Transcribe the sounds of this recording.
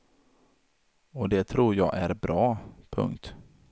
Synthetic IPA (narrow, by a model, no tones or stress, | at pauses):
ɔd̪ɛt̪ʰɾuːɾjɑ̰ːɡʔæɾbɾɑːpʰɵ̰ŋkt̪